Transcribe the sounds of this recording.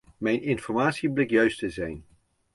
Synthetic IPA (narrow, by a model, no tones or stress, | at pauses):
mɛjnɪnfɔɹmaːtsiblɪkjœɥstəzɛjn